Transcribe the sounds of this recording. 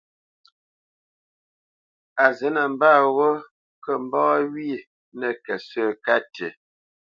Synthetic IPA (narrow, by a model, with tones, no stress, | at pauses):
a˨zɛ˨˦nə˨m̩˦baː˦˨ɣo˦ | kə˦m̩˦bɔː˦ɥi˦˨ | nə˨kɛ˨sə˦˨ka˦tḛ˨